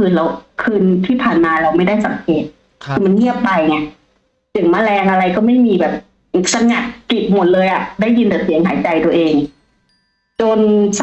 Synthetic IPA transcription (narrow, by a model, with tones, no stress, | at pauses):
ɯː˧nla˧wkʰɯː˧nt̪ʰiː˥˩pʰaː˨˩nmaː˧ɾa˧wma˥˩jda˥˩jsa˨˦mkʰeː˨˩t̪̚ | kʰɯː˧ma˧nŋi˥˩əpːa˧jni˧˩ɐʔ | tɯ˨˩˦ŋmaː˧˥˩lɛː˧ŋʔa˧ɾa˧jkɔː˥˩ma˥˩jmiː˧bɛː˨˩p̚ | sa˧ŋa˧˩t̚ki˨˩p̚mo˨˩t̪̚lɤː˧jʔa˨˩ʔda˥˩jːi˧nt̪a˨˩si˨˩˦ŋɦaː˨˩˦jt͡ɕa˧jt̪ə˧ʔeː˧ŋ | t͡ɕo˧ns